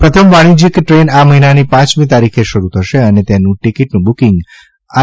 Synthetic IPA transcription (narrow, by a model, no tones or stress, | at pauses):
pɾət̪ʰəmʋaɽ̃id͡ʒikʈɾenaməɦinanipãt͡ʃmĩt̪aɾikʰeʃəɾut̪ʰəʃeənet̪enũʈikiʈnũbukĩŋɡ | a